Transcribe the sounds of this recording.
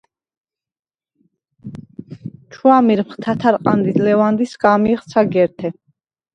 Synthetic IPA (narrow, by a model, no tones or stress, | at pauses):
t͡ʃʰwamiɾmχt̪ʰat̪ʰaɾqʼand̪id̪lɛvand̪isɡamiχt̪sʰaɡɛɾt̪ʰɛ